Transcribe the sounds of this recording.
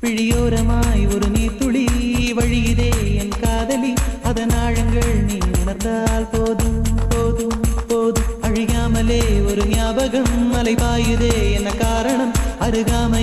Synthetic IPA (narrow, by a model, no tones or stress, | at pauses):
piɻijoːɾɐmaːjoɾɯniːt̪ːuɭiʋɐɻijiðeːenːɐkaːðɐliɐðɐnaːɻɐŋɡɐɭniːnunɐɾnd̪aːlpoːðɯpoːðupoːðumɐɻijaːmɐleːoɾɯnjaːbɐɣɐmːɐlɐɪpaːjiðeːenːɐkaːɾɐɳɐmɐɾɯɣaːmɐ